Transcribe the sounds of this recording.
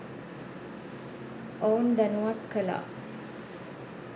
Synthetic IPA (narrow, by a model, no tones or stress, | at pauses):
ʔownd̪anuwat̪̚kəla̰